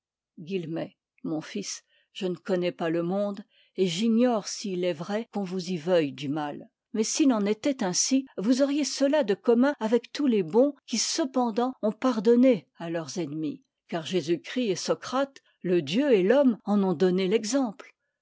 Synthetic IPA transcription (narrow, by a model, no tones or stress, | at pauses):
ɡʲilmɛ | mɔ̃fis | ʒ̥ənəkɔnɛpaləmɔ̃d̪ | eʒiɲɔʁsiːlɛvʁɛkɔ̃vuzivœjd̪ymal | mɛsilɑ̃net̪ɛt̪ɛ̃sivuzɔʁjesəlad̪əkɔmɛ̃avɛkt̪ulebɔ̃kʲisəpɑ̃d̪ɑ̃ɔ̃paʁd̪ɔne | alœʁzɛnmi | kaʁʒezykχiesɔkχat̪ | ləd̪jøelɔmɑ̃nɔ̃d̪ɔnelɛɡzɑ̃pl